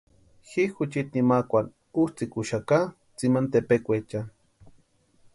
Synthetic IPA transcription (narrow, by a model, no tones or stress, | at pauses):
xixʊt͡ʃit̪nimakʷan | ust͡sikuʃaka | t͡simant̪epekʷet͡ʃa